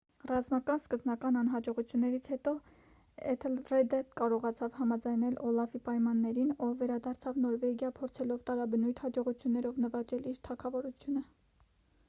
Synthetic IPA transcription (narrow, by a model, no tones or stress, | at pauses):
rɑzmɑkɑnskəznɑkɑnɑnɦɑd͡ʒɔʁut͡sʰjunːɛɾit͡sʰhɛt̪ɔ | ɛt̪ʰəlrɛd̪ɛt̪kɑɾɔʁɑt͡sʰɑvhɑmɑd͡zɑjnɛlʔɔlɑfipɑjmɑnːɛɾinɔːɛɾɑd̪ɑɾt͡sʰɑvnɔɾvɛɡjɑpʰɔɾt͡sʰɛlɔvt̪ɑɾɑbənujt̪ʰhɑd͡ʒɔʁut͡sʰjunːɛɾɔvnəvɑt͡ʃɛliɾt̪ʰɑkʰɑvɔɾut͡sʰjunə